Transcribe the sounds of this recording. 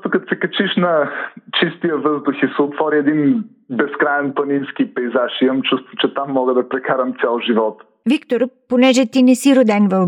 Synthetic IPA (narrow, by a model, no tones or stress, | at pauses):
t̪ʊkɐt̪o̥sɛkɐt͡ʃiʃnɐt͡ʃist̪ijəvɤzd̪ʊxisɛot̪vɔɾiɛd̪in | bɛskɾaɛnpɐnimskipɛjzaʃiəmt͡ʃust̪vʊt͡ʃɛt̪amːɔɡəd̪ɐpɾɛkaɾəmt̪sʲɛlˠʒivɔt̪ | vikt̪oɾponɛʒɛt̪inɛsiɾod̪ɛnvɐl